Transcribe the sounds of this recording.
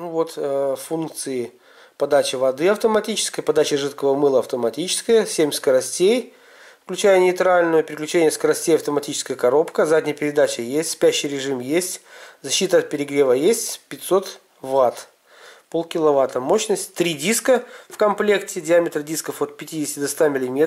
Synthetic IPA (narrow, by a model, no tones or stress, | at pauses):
nvo̞t̪funk̚t̪sɨɪ | pɐd̪at͡ɕɪvɐd̪ɨɐft̪əmɐtʲit͡ɕɪ̥skəjpɐd̪at͡ɕɪʐɨt̪kəvəmɨlˠəɐft̪əmɐtʲit͡ɕɪ̥skəjəsʲemʲskəɾɐsʲtʲej | fklʲʉt͡ɕæjənʲɪjt̪ɾalʲnʊjʊpʲɪɾʲɪklʲʉt͡ɕenʲɪjəskəɾɐsʲtʲejɐft̪əmɐtʲit͡ɕɪ̥skəjəkɐɾo̞pkəzadʲnʲɪjəpʲɪɾʲɪd̪at͡ɕɪjesʲtʲspʲæɕːɪjɾʲɪʐɨmjesʲtʲzɐɕːit̪əɐt̪̚pʲɪɾʲɪɡɾʲevəjesʲtʲpʲɪt̪ʲso̞t̪ | vat̪ | po̞lˠkʲɪlˠɐvat̪əmo̞ɕnəsʲtʲt̪ːɾʲidʲiskəfkɐmplʲe̞ktʲɪdʲɪamʲɪt̪ɾədʲiskəfo̞t̪̚pʲɪtʲidʲɪsʲtʲɪd̪ɐst̪amʲɪlʲɪmʲe